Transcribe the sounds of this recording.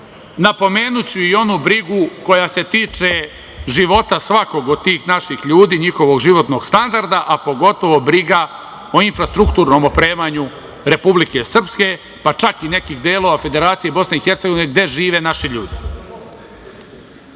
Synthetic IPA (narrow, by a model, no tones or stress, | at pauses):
napo̞me̞ːnut͡ɕuio̞nubɾiɡuko̞jase̞t̪iːt͡ʂe̞ | ʒiʋo̞t̪asʋako̞ɡod̪̚t̪iːxnaʃixʎuːd̪iːɲixo̞ʋo̞ɡʒiʋo̞t̪no̞ɡ̥st̪and̪aɾd̪aʔapo̞ɡo̞t̪o̞ʋo̞bɾiɡa | o̞infɾast̪ɾuk̚t̪uːɾno̞ːmopɾe̞ːmaɲu | ɾe̞publike̞sr̩pske̞ | pat͡ʃakine̞kiːxd̪eːlo̞ʋafe̞d̪e̞ɾaːt̪sije̞bo̞sne̞ixe̞ɾt̪seɡo̞ʋineɡ̚d̪e̞ʒiːʋe̞naʃiʎuːd̪i